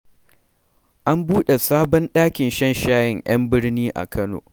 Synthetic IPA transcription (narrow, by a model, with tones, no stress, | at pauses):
ʔa˦mbuː˦ɗe˨saː˦bɔ˦nɗaː˦kʲɪ˨nʃɐ˦nʃaː˦jɪ˦˨ŋʔɐ˦mbɪ˦ɽniː˦ʔa̰˨kɐ˦no̰ː˨